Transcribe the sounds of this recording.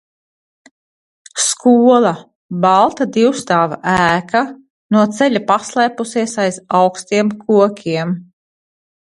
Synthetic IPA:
skuɔlˠa | bɑlˠt̪ad̪iwst̪aːva̰ʔæːkʰa | nuɔt̪sɛʎʲapaslˠɛjpusiɛsajzawkst̪iɛmkʰuɔkʲʰiɛm

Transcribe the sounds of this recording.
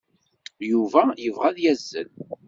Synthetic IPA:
juvæjəvʁæðjæzːə̰l

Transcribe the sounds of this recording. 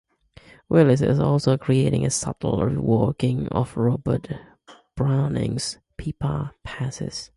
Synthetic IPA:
wɪlˠɪsɪ̰ɪ̰zɔlˠsoʊkʰɹ̥ieɪɾɪ̰̃ŋɨsʌ̰tl̩ˠɹḭwɔɹkɪ̃ŋə̰vɹɔbət | b̥ɹãʊ̃nɪ̰̃ŋz̥ | pʰipʰə̰pʰæsɪ̰z̥

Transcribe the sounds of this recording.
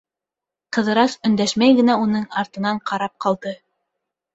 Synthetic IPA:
qɤ̆ðɤ̆ɾɑsɵ̆nd̪æʃmæjɡɘ̆næunɤɴɑɾt̪ɤ̆nɑɴqʰɑɾɑp̚qɑlˠd̪ɤ

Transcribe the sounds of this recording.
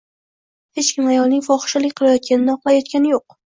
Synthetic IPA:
he̞t͡ʃkʲʰɪmajɒlˠnɪŋʲfɒχɨ̥ʃalɪkʲqʰɨlˠajɒt̪̚kʲanɪnɪɒqlˠajɒt̪̚kʲanɪjoq̚

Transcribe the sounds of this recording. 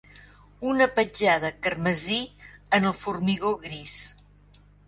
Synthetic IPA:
unəpəd͡ʒaðəkərməziənəlˠfurmiɣoɣɾis

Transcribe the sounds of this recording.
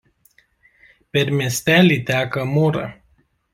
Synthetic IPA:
perʲmest̪ælit̪eakəmuɾə̰

